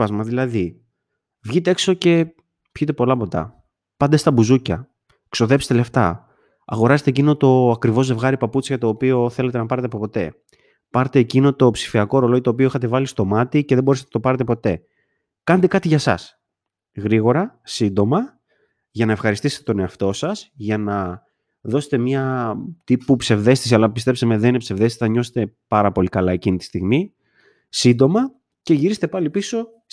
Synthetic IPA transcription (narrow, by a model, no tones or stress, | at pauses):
ɐzmɐðilɐði | vʝit̪e̞e̞kso̞ce̞ | pçit̪̬e̞po̞lɐpo̞t̪ɐ̰ | pɐnd̪e̞st̪ɐbuzucɐ | kso̞ðe̞pst̪ele̞ft̪ɐ | ɐ̰ɣo̞ɾɐset̪ecino̞t̪o̞ɐkɾivo̞ze̞vɣɐɾipɐput͡siʝɐt̪o̞ːpio̞θe̞le̞t̪e̞nɐpɐɾet̪eɐpopo̞t̪e̞̰ | pɐɾt̪e̞ːcino̞t̪o̞psi̥fiɐko̞ɾo̞loʝet̪oːpio̞exɐt̪e̞vɐlist̪o̞mɐt̪iceðeboɾese̥t̪nɐt̪opɐɾe̞t̪̬epo̞t̪e̞ | kɐnet̪̬e̞kɐt̪iʝɐsɐ̰s | ɣɾiɣo̞ɾɐsind̪o̞mɐ | ʝɐnɐe̞fxɐɾist̪ise̥t̪et̪o̞ne̞ɐft̪o̞sɐsʝɐnɐ | ðo̞se̞̥t̪emɲɐt̪ipupse̞vðe̞st̪isiɐlɐpist̪e̞psemeðninepse̞vðe̞sɐɲo̞se̥t̪e̞pɐɾɐpo̞likɐlɐe̞cinit̪i̥st̪iɣmi | sind̪o̞mɐ | ce̞ʝiɾise̥t̪e̞pɐlipiso̞